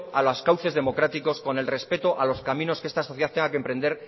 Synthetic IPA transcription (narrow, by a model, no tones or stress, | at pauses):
alaskawθe̞zðe̞mo̞kɾat̪iko̞sko̞ne̞lre̞spe̞t̪oʔalo̞skamĩno̞skeest̪aso̞θjeat̪eŋɡakempɾe̞nd̪eɾ